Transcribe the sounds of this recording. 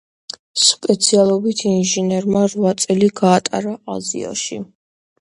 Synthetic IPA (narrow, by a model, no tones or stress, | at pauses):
spʼɛt̪sʰialˠɔbit̪ʰinʒinɛɾmaɾvat̪sʼɛliɡaːt̪ʼa̰ɾaʔazḭɔ̰ʃi